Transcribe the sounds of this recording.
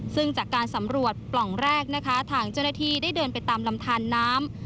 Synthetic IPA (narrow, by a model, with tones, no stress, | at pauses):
sɯ˥˩ŋt͡ɕaː˨˩kːaː˧nsa˩˦mɾu˨˩ət̪̚plɔ˨˩ŋɾɛː˥˩k̚na˦˥kʰa˦˥t̪ʰaː˧˩ŋt͡ɕa˥˩wnaː˥t̪ʰiː˧˩daː˥˩jdɤː˧npa˧jt̪aː˧mla˧mt̪ʰaː˧nːaː˦˥m